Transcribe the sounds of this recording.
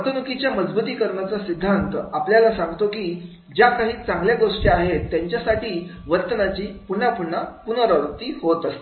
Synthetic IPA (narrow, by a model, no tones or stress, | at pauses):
ət̪ʰənukit͡ɕjaməd͡zbuːt̪iːkəɾɳat͡sasid̪ʱːant̪əapljalasãŋɡt̪okiː | d͡ʑjakaɦiːt͡sãŋɡljaɡoʂʈiaɦet̪ːjaɲt͡ɕjasaʈiː | ʋəɾt̪ənat͡ɕiːpuɳapuɳːapunəɾəɾt̪iːhot̪əst̪e̥